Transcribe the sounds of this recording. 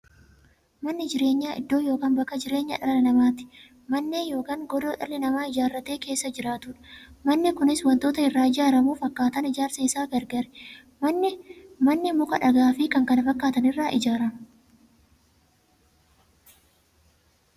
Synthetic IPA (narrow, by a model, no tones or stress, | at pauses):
mɐnːɪd͡ʒɪɾe̞ːɲːaːʔɪ̰d̪ːo̞ːjo̞ːkaːnbɐkːɐd͡ʒɪɾe̞ːɲːɐ̰ᶑɐɾlɪnɐmaːt̪ɪ̥ | mɐnːeːnjo̞ːkaːŋɡɔd̪oːᶑɐ̰lɪnɐmaːɪd͡ʒaːrːɐt̪e̞ːke̞ːsːɐd͡ʒɪɾaːt̪ʊᶑɐ̥mɐnːɪkʊnɪswɐnt̪o̞ːt̪ɐɪrːaːɪd͡ʒaːɾɐmuːfɐkːaːt̪ɐnɪd͡ʒaːɾsɐɪsaːfɛɾɡɐɾɛ̥ | mɐnːɪmɐnːɪmʊkɐᶑɐɡaːfɪkɐŋkɐnɐfɐkːaːt̪ɐnɪrːaːʔɪd͡ʒaːɾɐmʊ̥